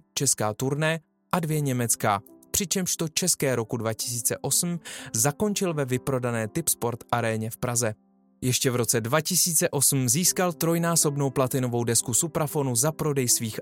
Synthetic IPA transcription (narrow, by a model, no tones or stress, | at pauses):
t͡ʃɛskaːt̪uɾnɛ | ʔadvjɛɲɛmɛt͡skaːpr̥ɪt͡ʃɛmʃt̪o̞t͡ʃɛskɛːɾo̞kudvacɪ̥s̬iːt͡sɛʔo̞sm̩zako̞nt͡ʃɪlvɛvɪpɾo̞danɛːt̪ɪpspo̞ɾt̪ʔaɾɛːɲɛfpɾazɛ | jɛʃcɛvɾo̞t͡sɛdvacɪsiːt͡sɛʔo̞sm̩ziːskalt̪ɾo̞jnaːso̞bno̞wplat̪ɪno̞vo̞wdɛskusupɾafo̞nuzapɾo̞dɛjsviːx